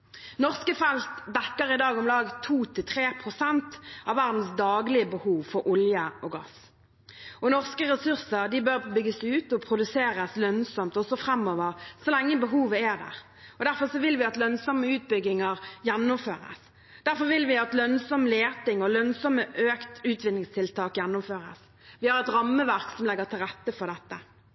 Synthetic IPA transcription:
nɔʁskəfɛlst̪d̪ɛkːəʁɪd̪ɑːɡɔmlɑːɡt̪ʰuːt̪ʰɪlt̪ʰʁeːpʰʁʊsɛnt̪ɑʋːæɾʁd̪n̩sd̪ɑːɡlɪəbəhuːʋfɔɾʔʊljəʔɔɡɑ̰s | ɔnɔʁskəʁɛsʉʁsəʁd̪ɪbøʁbʏɡːəsʉːt̪ɔpʰʁʊd̪ʉseːʁəslœnsɔmt̪ɔsɔfʁɛmːɔʋəʁsɔlɛŋːəbəɦuːʋəæd̪æ̰ʁ | ɔd̪æʁfɔʁsɔʋɪlʋɪɑt̪lœnsɔmːəʉːt̪̚bʏɡɪŋəʁjɛnːʊmføːʁə̰s | d̪̥æʁfɔʁʋɪlʋɪɑt̪lœnsɔmleːt̪ɪŋɔlœnsɔməʔøːkt̪ʉːt̪ʋɪnɪŋst̪ʰɪlt̪ʰɑːkjɛnːʊmføːʁə̰s | ʋɪhɑɾɛt̪ɾɑmːəʋæʁksɔmlɛɡːət̪ʰɪlʁɛt̪ːəfɔʁd̪ɛt̪ːə

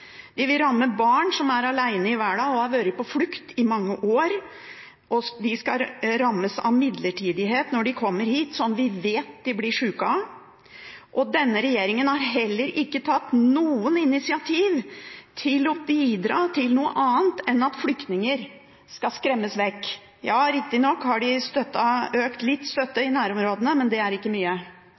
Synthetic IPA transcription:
d̪̥ɪʋɪlɾɑmːəbɑːɳsɔmæɾɑlæɪnəɪʋæːɖɑːɡɔɑɾʋøːɾəpɔflʉkt̪ʰɪmɑŋːəʔoːɾ | ʔɔd̪ɪskɑɾɑmːəsɑ̰ʋmɪd̪ləʈʰiːd̪ɪɦeːt̪nɔɖɪkʰɔmːəɾhiːt̪sɔnːʋɪʋeːt̪d̪ɪblɪʂʉːkɑ | ʔɔd̪ɛnːəɾɛjeːɾɪŋənhɑɾɦɛlːəɾɪkːət̪ʰɑt̪ːnuːənɪnɪsɪɑt̪ʰiːʋt̪ʰɪlɔbiːd̪ɾɑːt̪ʰɪlnuːə̰ʔɑːənt̪ɛnɑt̪flʏkt̪nɪŋəɾ | skɑskɾɛmːəsʋɛkː | jɑːɾɪk̚t̪ɪnɔkːhɑɖɪst̪œt̪ːɑøːkt̪lɪt̪ːst̪œt̪ːəɪnæːɾɔmɾoːd̪ənəmɛnd̪ɛæɾɪkːəmyːə

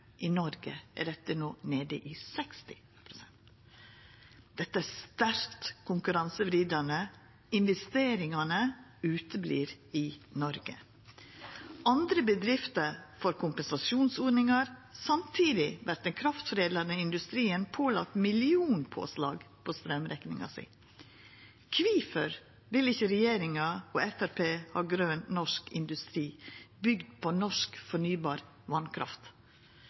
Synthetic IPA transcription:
ʔɪnɔɾɡə̰æ̰ɾɛt̪ːənoːneːd̪ə̰ʔɪsɛkst̪ɪ | pʰɾʊsɛnt̪ | d̪̥ɛt̪ːəæst̪æɾkt̪kʰʊŋkʉɾɑnsəʋɾiːd̪ɑnə | ɪnʋɛst̪eːɾɪŋɑnəʉːt̪əblḭːɾ | ɪnɔɾɡə̰ | ɑnd̪ɾəbəd̪ɾɪft̪əɾfɔɾkʰʊmpɛnsɑsuːnsoːɾnɪŋɑɾsɑmt̪ʰiːd̪ɪʋæɾt̪ɛnkʰɾɑft̪fɔɾeːd̪ləɾnəɪnd̪ʉst̪ɾiːənpʰoːlɑ̰k̚t̪mɪlɪuːnpʰo̰ːslɑ̰ːɡpʰɔst̪ɾɛmɾɛknɪ̰ŋɑ̰sḭː | kʰʋiːfəɾ | ʋɪlɪçəɾɛjeːɾɪŋɑɔːɛfæɾpʰeːhɑ̰ːɡɾøːnnɔʂkɪ̰nd̪ʉst̪ɾiːbʏɡd̪̚pʰɔnɔʂkfɔɳyːbɑːɾ | ʋɑnkʰɾɑ̰ft̪

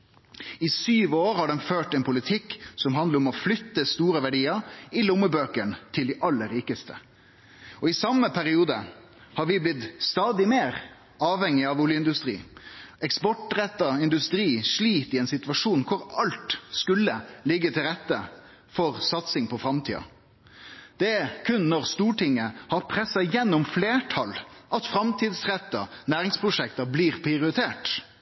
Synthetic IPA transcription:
ɪsyːʋoːɾhɑɖɛnføːʈɛnpʰʊlɪt̪ʰɪkːsɔmɦɑnd̪ləɾɔmɔflʏt̪ːəst̪uːɾəʋæɖiːəɾɪlʊmːəbøːkəɳt̪ʰɪld̪ɪʔɑlːəɾiːkəst̪ʰə̰ | ɔɪsɑmːəpʰæɾɪuːd̪ə | hɑɾʋɪblɪt̪st̪ɑːd̪ɪmeːɾ | ɑːʋhɛŋɪɑʋuːljəɪnd̪ʉst̪ɾḭːɛkspɔʈɾɛt̪ːɑɪnd̪ʉst̪ɾiːʂliːt̪ɪɛnsɪt̪ʋɑʂuːnkʰʊɾɑlt̪skʉlːəlɪɡːət̪ʰɪlɾɛt̪ːə | fɔɾsɑt̪sɪŋpʰɔfɾɑmt̪ʰḭːɑ̰ | d̪̥ɛækʰʉnːɔɾst̪uːʈɪŋːəhɑɾpʰɾɛsːɑjɛnːʊmfleːʈʰɑlʔɑt̪fɾɑmt̪ʰiːd̪sɾɛt̪ːənæːɾɪŋspʰɾʊʂɛkt̪ɑbliːɾpʰɾɪɪʊɾɪt̪ʰeːʈ

